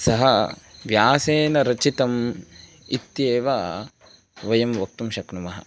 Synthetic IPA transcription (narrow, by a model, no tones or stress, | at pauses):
sɐɦɐʋjaːseːnɐɾɐt͡ʃit̪ɐm | it̪jeːʋaː | ʋɐjɐmʋɐk̚t̪umʃɐknumɐɦɐ̰